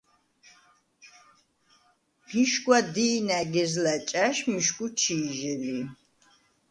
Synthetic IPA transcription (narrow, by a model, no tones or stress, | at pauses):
miʃkʼwad̪iːnæɡɛzlat͡ʃʼaʃmiʃkʼut͡ʃʰiːʒɛli